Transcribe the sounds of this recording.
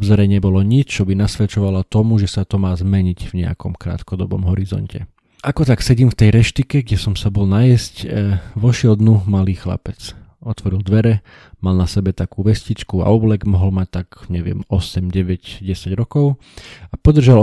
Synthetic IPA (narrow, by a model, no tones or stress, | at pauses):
bzɔɾɛɲɛbɔlɔɲit͡ʃt͡ʃɔbinasʋɛt͡ʃɔʋalat̪ɔmuʒɛsat̪ɔmaːzmɛɲiɟvɲɛa̰kɔmkɾa̰ːt̪kɔd̪ɔbɔ̰mɦɔɾizɔ̰ncɛ̰ | ʔakɔt̪aksɛɟiːmft̪ɛjɾɛʃt̪ikɛɡɟɛsɔmsabɔlnajɛscʋɔʃɪɛld̪numaliːxla̰pɛt͡sɔt̪ʋɔɾild̪ʋɛɾɛ | malnasɛbɛt̪akuːʋɛscit͡ʃkua̰ɔblɛɡmɔɦɔlmac̚t̪akɲɛʋɪɛ̰mɔsɛmɟɛʋɛɟɟɛsaɟɾɔkɔʊ | apɔd̪r̩ʒal